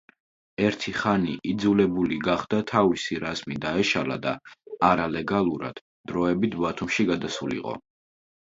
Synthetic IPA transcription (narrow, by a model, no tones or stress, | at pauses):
ɛɾt̪ʰiχaniʔid̪zulɛbuliɡaχd̪at̪ʰavisiɾazmid̪aɛʃala̰d̪aːɾalɛɡalˠuɾa̰d̪̥ | d̪̥ɾɔɛbit̪ʰbat̪ʰumʃiɡad̪asulḭqʼɔ̰